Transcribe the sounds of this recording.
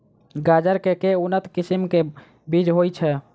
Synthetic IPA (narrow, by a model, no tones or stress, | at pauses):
ɡad͡ʒəɾkekeunət̪kisimke | bid͡ʒɦojt͡ʃʰɛ